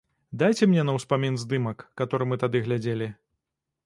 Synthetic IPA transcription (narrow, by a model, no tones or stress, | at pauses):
d̪ajt͡sʲɛmnʲɛnɐwspamʲinzd̪ɨmɐkːat̪ɔɾɨmɨt̪ad̪ɨɣlʲad͡zʲelʲi